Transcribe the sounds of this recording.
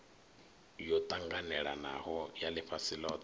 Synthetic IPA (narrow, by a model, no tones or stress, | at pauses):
jɔt̪ʼaŋɡanɛɺana̰hɔjalɪɸʰasilɔːt